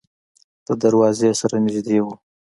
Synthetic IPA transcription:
d̪̥əd̪aɾwɑzesaɾanɪʒd̪ewu

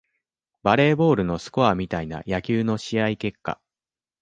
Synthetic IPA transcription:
baɾe̞ːbo̞ːɾɯ̟no̞sɨ̥ko̞amʲit̪aina̰jakʲɨːno̞ɕiaike̞kːa̰

